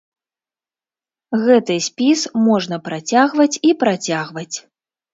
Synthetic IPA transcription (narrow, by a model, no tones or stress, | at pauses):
ɣɛt̪ɨsʲpʲismɔʐnɐpɾat͡sʲaɣvɐt͡sʲipɾat͡sʲaɣvɐt͡sʲ